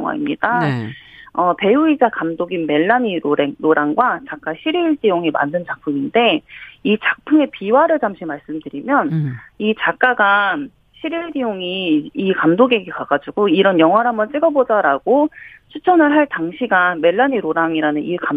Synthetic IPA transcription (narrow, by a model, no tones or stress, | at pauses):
ŋwa̰ḭmɲid̥a | ʌpe̞uid͡ʑakamdoɡinme̞ɭːaɲiɾoɾeŋɾoɾaŋɡwat͡ɕak͈aɕʰiɾiɭdijoŋima̰ndɯnt͡ɕak̚pʰuminde̞it͡ɕak̚pʰuŋe̞piwaɾɯɭt͡ɕamɕʰimaɭs͈ɯmdɯɾimjʌnit͡ɕak̚k͈aɡa | ɕʰiɾiɭdijoŋiːkamdoɡeɡekaɡ̥ad͡ʑuɡoiɾʌnjʌŋɦwaɾɦambʌnt͡ɕ͈iɡʌbod͡ʑaɾaɡ̥ot͡ɕʰut͡ɕʰʌnɯɭɦaɭtaŋɕʰiɡame̞ɭːaɲiɾoɾaŋiɾanɯnika